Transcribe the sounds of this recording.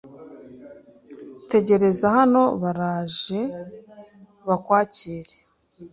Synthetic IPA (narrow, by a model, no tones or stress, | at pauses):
te̞ɟe̞ɾe̞zahano̞βaɾaːʒe̞ | βakwaːciːɾe